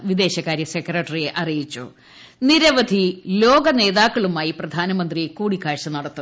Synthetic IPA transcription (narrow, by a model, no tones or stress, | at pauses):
ʋid̪e̞ːɕɐkaːɾjɐsekrɐʈːɐrijeʔɐrijit͡ɕːṵ | niɾɐʋɐd̪ʱilo̞ːɡɐne̞ːðaːkːɐɭumaːjiprɐd̪ʱaːnɐmɐnd̪riekuːɽikːaːɻʂɐnɐɽɐt̪ːu